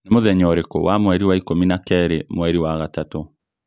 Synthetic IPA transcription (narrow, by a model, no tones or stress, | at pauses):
nemoðɛɲɔɾeko̰wamwɛɾiwaikominakɛɾemwɛɾiwaɣatato